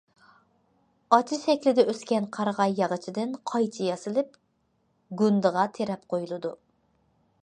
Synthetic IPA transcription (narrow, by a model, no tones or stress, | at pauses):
ɑt͡ʃʰiʃɛkʲlɪd̪ɛʔøskʲɛnqʰɑɾʁɑjːɑʁət͡ʃʰid̪ɪnqʰɑjt͡ʃʰijɑsɨlˠɪp | ɡʲynd̪ɨʁɑt̪ʰeɾɛp̚qʰojulˠɨd̪u